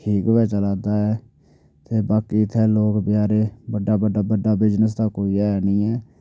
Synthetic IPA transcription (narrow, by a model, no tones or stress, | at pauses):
ʈʰiːkʋɛːt͡ʃəlaːd̪aːɛː | t̪eːbaːkiːt̪ʰɛːloːkbɪjaːɾeːbəɖaːbəɖaːbəɖaːbɪd͡ʒnəs̬t̪aːkoːiːaːɛnĩːɛː